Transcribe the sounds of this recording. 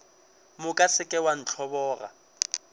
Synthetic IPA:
mʊkʼasɪkʼɛwan̩t͡ɬʰɔbɔːɣa̰

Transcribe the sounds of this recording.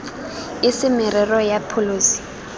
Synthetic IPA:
ɪsɪmɪrɛrɔjapʰʊloːsi̥

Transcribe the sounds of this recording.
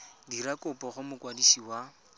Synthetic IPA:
diɾakʊpʼɔχʊmʊkwadisiwa

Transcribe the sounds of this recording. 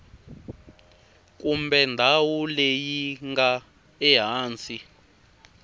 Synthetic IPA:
kumbɛndʱawulejiŋɡa | ɛɦaːnt͡sʰi

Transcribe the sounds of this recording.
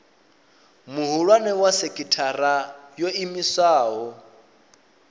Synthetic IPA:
muɦuɺwanɛwasɛkʼitʰarajoimisaːɦɔ

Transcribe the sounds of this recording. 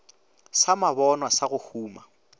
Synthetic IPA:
samabɔnwasaɣʊhuːma

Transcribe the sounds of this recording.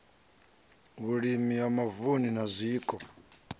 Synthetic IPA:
ɣuɺimiwamavuninazʷiːkʼɔ

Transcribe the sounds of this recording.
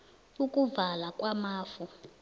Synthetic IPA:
ukʼuvalakʼwamaːfu

